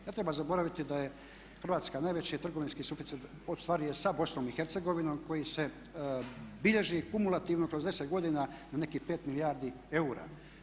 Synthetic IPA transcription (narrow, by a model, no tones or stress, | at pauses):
jat̪ɾe̞bazabo̞ɾaʋit̪id̪aje̞ | xr̩ʋaːt̪skanajʋet͡ɕit̪r̩ɡoʋinskisufit̪it̪ | ost̪ʋaːɾijesabo̞snomixeɾt̪seɡo̞ʋinoːmko̞jise̞ | biʎe̞ʒikumulˠat̪iːʋnokɾozeset̪ɡo̞d̪inanane̞kipe̞ːt̪milijaːɾd̪i | e̞uɾa̰